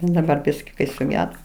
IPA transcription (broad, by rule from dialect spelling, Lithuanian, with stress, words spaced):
dɐˈbɐr ˈbʲɪsʲkʲɪ kɐɪ sʊˈɡʲæːdoː